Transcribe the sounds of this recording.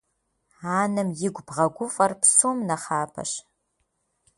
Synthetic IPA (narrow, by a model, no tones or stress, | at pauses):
aːnɨmjɪɡʷbʁɐɡʷʊfʼɐrpsoːmnɐχaːpʰɐ̰ʃ